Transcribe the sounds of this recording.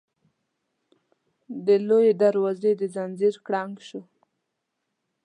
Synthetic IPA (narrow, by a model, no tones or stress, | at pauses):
d̪əlojed̪aɾwazed̪əzanziɾkɽɑŋɡʃu